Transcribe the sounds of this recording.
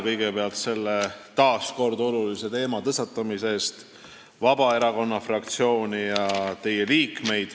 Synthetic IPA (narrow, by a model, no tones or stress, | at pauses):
kɤjɡ̥e̞peɑlt̪se̞lːet̪ɑːsko̞rd̪o̞lulise̞t̪e̞ːmɑt̪ɤsɑt̪ˑːɑmise̞st̪ | vɑbɑe̞ɾɑko̞nːɑfrɑkt̪sio̞ːnʲijɑt̪e̞jeliːkme̞jd̪̥